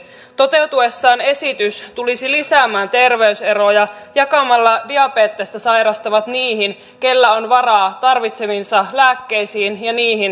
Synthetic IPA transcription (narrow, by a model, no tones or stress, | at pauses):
t̪o̞t̪e̞uwt̪ue̞sːɑːne̞sit̪yst̪ulisilisæːmæːnt̪e̞rʋe̞yse̞ɾojɑjɑkɑmɑlːɑdiɑpeːt̪ːest̪æsɑjɾɑst̪ɑʋɑt̪niːɦin | ke̞lːæonʋɑrɑːt̪ɑrʋit̪se̞minsɑlæːkːe̞jsiːnjɑniːɦin